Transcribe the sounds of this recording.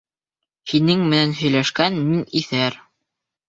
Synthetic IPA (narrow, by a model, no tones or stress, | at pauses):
hinɘŋmɘ̆nænɦɵ̆jlæʃkænminiθæɾ